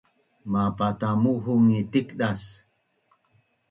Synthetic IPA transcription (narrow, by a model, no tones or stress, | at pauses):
mapatamuɦuŋitikɗas